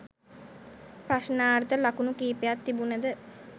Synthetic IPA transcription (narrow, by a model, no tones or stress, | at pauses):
pɾaʃnaːɾt̪əlakunukiːpejat̪ːibunəd̪ə